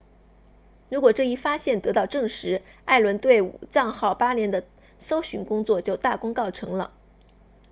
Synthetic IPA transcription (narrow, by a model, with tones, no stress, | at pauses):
ɻu˧˥kwɔ˨˩ʈ͡ʂɤ˥˧i˥˩fa˥ɕjɛ˥˩nt̪ɤ˧˥t̪ɑ˥˧ʊʈ͡ʂɤ˥˩ŋʂɻ̩˧˥a˥˩ɪlwə˧˥nt̪we˥˩ɪu˨˩t͡sɑ˥˧ŋxɑ˥˩ʊpa˥ljɛ˧˥nd̪ə˧ | so˥ʊɕy˧˥nkʊ˥ŋt͡swɔ˥˧˩t͡ɕjo˥˧ʊt̪a˥˩kʊ˥ŋkɑ˥˩ʊʈ͡ʂʰɤ˧˥ŋlə̰˧